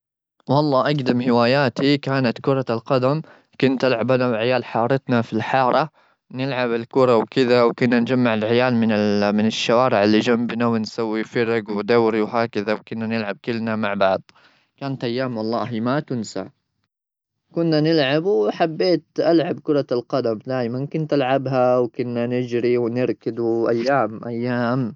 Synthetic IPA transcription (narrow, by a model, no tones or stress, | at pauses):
wɑlˤːɑːʔaɡd̪amhɪwaːjaːt̪ikaːnat̪kʊɾˤɑlqɑd̪am | kʊnt̪ʔalʕabanawʕɪjaːlħɑːɾˤɑt̪nafilħɑːɾˤɑ | nɪlʕabɪlkʊɾˤɑwkɪðawkʊnːand͡ʒamːaʕɪlʕɪjaːlmɪnɪmɪnɪʃːawaːɾɪʕɪlːid͡ʒambnawɪnsawːifɑɾɪɡwd̪awɾiwɦaːkaðawkʊnːanɪlʕab̚kɪlːnamaʕbɑʕd̪ˤ | kaːnat̪ʔajːaːmwɑlˤːɑːɦiːmat̪ʊnsa̰ʕ | kʊnːanɪlʕabħabːeːt̪ʔalʕabkʊɾˤɑlqɑd̪amd̪aːjmankʊnt̪ʔalʕabɦawkʊnːanɪd͡ʒɾiwnɪɾkɪd̪uʔajːaːmʔajːaːm